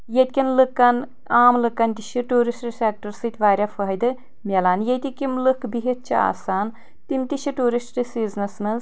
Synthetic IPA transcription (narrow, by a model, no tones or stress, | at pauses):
jet̪̚ʲkʲinlɨkːɐn | aːmlɨkːɐnʲt̪iʃʰiʈuːɾisʈsʲeːk̚ʈɨɾsɨt̪ʲʰʋaːɾʲɐfɐɦɐjd̪ɨ | mʲelaːnjet̪ikimlɨkbiɦit̪̚t͡ʃʰia̰ːsaːn | t̪imt̪ʲiʃʰiʈuːɾisʈɾisiːznɐsnɐz